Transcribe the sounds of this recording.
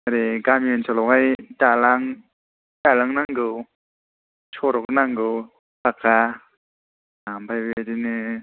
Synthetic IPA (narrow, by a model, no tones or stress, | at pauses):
aɾeɡamiɯnsʰɔlɔkajtalaŋ | talaŋnaŋɡɯw | t͡ʃʰɔɾɔk̚naŋɡɯw | paka | ambajbadinɯ